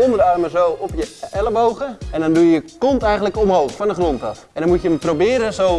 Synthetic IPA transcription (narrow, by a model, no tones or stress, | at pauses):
omədəɑrməzowɔpjəɛləbowɣəɛndɔndujjəkɔntɛjxən̩tləkɔmɦowxfɔndəχrontɑfɛndɔnmutjəəmprowbɪːɾəzow